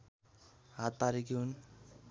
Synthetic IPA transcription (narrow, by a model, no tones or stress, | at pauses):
ɦat̪̚paɾikiun